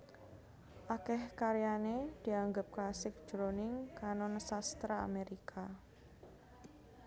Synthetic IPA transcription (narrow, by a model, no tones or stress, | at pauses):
ʔakɛhkaɾjaned̪̥i̤aŋɡəp̚klasɪk̚d͡ʒ̥ɾonɪŋkanonəsast̪ɾaa̰meɾikʰa